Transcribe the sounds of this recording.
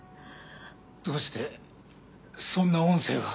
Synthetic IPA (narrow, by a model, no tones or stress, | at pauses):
d̪̥o̞ːɕi̥t̪e | sõ̞nːaõɰ̃se̞̰ːɡa